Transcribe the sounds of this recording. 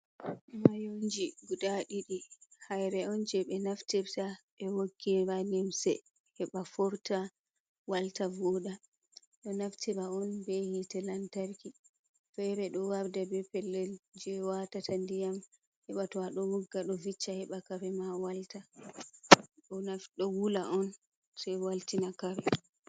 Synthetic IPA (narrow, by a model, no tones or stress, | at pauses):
ʔɛmajond͡ʒiɡudaɗiɗihajɾɛɔnd͡ʒɛɓɛnaftibtaɓɛwoɡːianimsɛ | hɛɓafɔɾta | waltavɔɗa | ɗɔnaftʰibaɔnbɛhitɛlantaɾki | fɛɾɛɗɔwaɾdabɛpɛlːɛld͡ʒɛwatatandijam | hɛɓatɔaɗɔwuɡːaɗɔvit͡ʃːahɛɓakaɾɛmawalta | ɗɔnafɗɔwulaʔɔn | sɛwaltinakaɾɛ